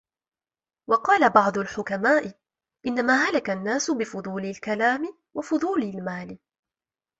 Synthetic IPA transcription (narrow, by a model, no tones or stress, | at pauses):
wɑqɑːlabɑʕd̪ˤʊlħʊkamaːʔɪ | ʔɪnːamaːɦalakanːaːsʊbɪfʊd̪ˤuːlɪlkalaːmɪ | wafʊðˤuːlalmaːlɪ